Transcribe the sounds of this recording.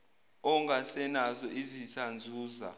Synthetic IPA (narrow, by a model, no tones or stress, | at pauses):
ɔŋɡasɛnazɔizisand͡zʱuːza̰